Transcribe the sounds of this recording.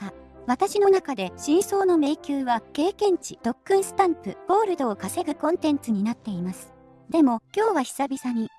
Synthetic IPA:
aβat̪aɕino̞nakad̪e̞ɕĩɰ̃so̞ːno̞me̞ikʲɨːβake̞ːkẽ̞ɲ̟t͡ɕid̪̥o̞kːɯ̟̃ɰ̃sɨ̥t̪ãmpɯ̟ɡ̥o̞ːɾɯ̟d̪o̞ːkase̞ɡɯ̟kõ̞nt̪ẽ̞nt͡sɨɲ̟inat̪ːe̞imasɨ̥ | d̪e̞mo̞kʲo̞ːβaçi̥sabʲisaɲ̟i

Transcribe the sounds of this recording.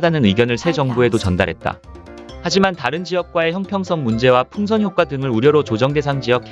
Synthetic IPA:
danɯnɯiɡjʌnɯɭsʰe̞d͡ʑʌŋbue̞dot͡ɕʌnda̰ɾɦe̞t̚t͈a̰ | had͡ʑimantaɾɯnd͡ʑijʌk̚k͈wae̞çjʌŋpʰjʌŋsʰʌŋmund͡ʑe̞wapʰuŋs̬ʰʌnçjok̚k͈wadɯŋɯɾuɾjʌɾot͡ɕod͡ʑʌŋde̞sʰaŋd͡ʑijʌk̚ʰ

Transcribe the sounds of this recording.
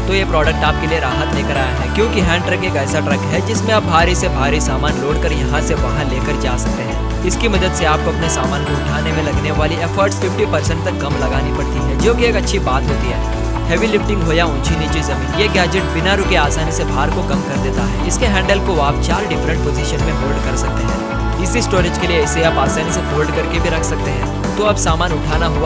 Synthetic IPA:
t̪ojepɾɔːɖək̚ʈaːp̚kelieɾaːɦət̪leːkɐɾaːjaɦɛːkjõːkiɦɛ̃ːɳʈɾəkeːkɛːsaʈɾɐkɦɛd͡ʒɪsmẽɐbːʱaːɾisebʱaːɾisaːmaːnloːɽkɐɾjɐɦãseʋɐɦãleːkɐɾt͡ʃaːsɐk̚t̪eɦɛ̃ɛː | ɪskimɐd̪əd̪seaːp̚koɐpnesaːmaːnkoʊʈʰaːnemẽlɐɡneʋaːliɛːfʰəɾʈsfɪfʈipɐɾsə̃ɳʈ̚t̪ɐkːɐ̃mlɐɡaːnipɐɽt̪iɦɛd͡ʒoːkieːkɐtːʃʰibaːt̪ɦoːt̪iɦɛː | hɛːʋilɪfʈɪ̃ŋɡɦoːjaʊ̃nt͡ʃʰinit͡ʃizɐmiːnjeːɡɛːd͡ʒeʈ̚bɪnaɾʊkeaːsaːnisebʱaːɾkokɐmkɐɾd̪eːt̪aɦɛ̰ːɪskeɦɛ̃ːɳɖəlkoaːp̚t͡ʃaːɾɖɪfɾə̃ɳʈ̚poːziʃənmẽboːɾɖkɐɾsɐk̚t̪eɦɛ̃ː | ɪsisʈoːɾed͡ʒkelieɪseaːpaːsaːniseboːɾɖkɐɾkebʱiɾɐkʰsɐk̚t̪eɦɛ̃ː | t̪oɐbsaːmaːnʊʈʰaːnaɦua

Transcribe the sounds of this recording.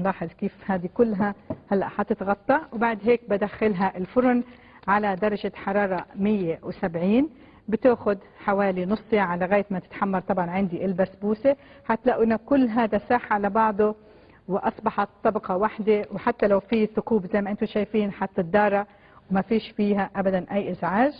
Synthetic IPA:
lɑːħɪzˤkiːfhaːd̪ikʊlːɦahalːa̰ʔħɑt̪ɪt̪ɣɑt̪ˤːɑwbaʕd̪ɦeːk̚bɪd̪axːalɦaʔɪlfʊɾʊn | ʕalad̪ɑɾˤɑʒɪħɑɾˤɑːɾˤɑmɪjːewsabʕiːn | bɪt̪aːxʊd̪ | ħawaːlinʊsˤt̪eʕalaɣaːjat̪mat̪ɪ̥t̪ħamːɑɾˤt̪ˤɑbʕɑnʕɪnd̪iʔɪlbasbuːseħat̪ːlaʔɪnːakʊlːɦaːd̪asaːħʕalabɑʕd̪ˤo | wʔɑsˤbɑħɑt̪ˤːɑbqɑwaħd̪ewħat̪ːalawfiθʊkuːbzajmaʔɪnt̪ʊʃaːjfiːnħɑt̪ːɪd̪ːɑːɾˤɑ | wmafiːʃfiːɦaʔabad̪anʔajːʔɪzʕaːʒ

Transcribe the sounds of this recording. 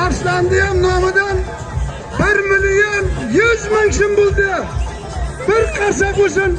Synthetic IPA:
ɑɾst̪ɑnd̪ɪjamnɒmɪd̪an | bɪɾmɪlijonjʊzmaŋʃɪmbolˠd̪ɪ | b̥ɪɾqʰɑɾsɑkɵsɪn

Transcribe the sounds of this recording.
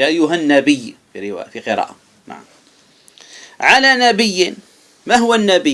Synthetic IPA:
ʔajːʊɦanːabɪjːfḭɾɪwa̰ːfiqɨɾˤɑ̰ːʔa | na̰ʕa̰m | ʕalaːnabɪjːɪ | maɦʊwanːabɪ

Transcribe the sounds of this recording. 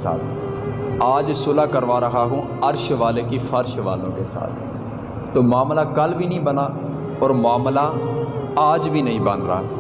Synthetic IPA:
sa̰ːt̪ʰ | aːd͡ʒsʊːlaːkəɾʋaːɾəɦaːɦũː | əɾʃʋaːleːkiːfʰəɾʃʋa̰ːlõːkḛːsa̰ːt̪ʰ | t̪oːmaːmlaːkəlbʱiːnĩːbənaː | ɔːɾmʊaːmlaː | aːd͡ʒbʱiːnəɦĩːbənɾa̰ː

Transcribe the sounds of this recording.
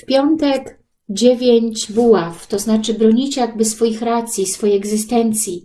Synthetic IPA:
fpʲjɔnt̪ɛk | d͡ʑevʲjeɲt͡ɕvuwaft̪ɔznat͡ʂɘbɾɔɲit͡ɕjaɡ̚bɘsfɔjixɾat̪sʲjisfɔjeɛɡzɘst̪ɛnt̪sʲji

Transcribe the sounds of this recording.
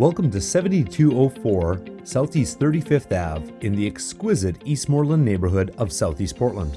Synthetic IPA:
wɛlˠkə̃mtɨsɛvɨ̃n̩titʰʉoʊfɔɹsaʊθiz̥θɜ˞ɾifɪfθævɨ̃nðiɨkskwɪzɨɾist̚mɔɹlˠə̃nːeɪbə˞ɦʊɾʌv̥saʊθist̚pʰɔɹʔˡlə̃nd̥

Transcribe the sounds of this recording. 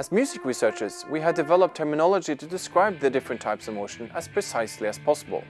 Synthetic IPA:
əzmjʉːzɪkɹisɜ˞t͡ʃɪz̥wiəvdɨvɛlˠəp̚tʰɛ˞mɪnɑlˠəd͡ʒiɾɨdɪskɹaɪb̚ðɨdɪfɹɨ̃ntʰaɪpsʌvmoʊʃə̃nəz̥pʰɹ̥ɨsaɪsliəz̥pʰɑsəbə̰lˠ

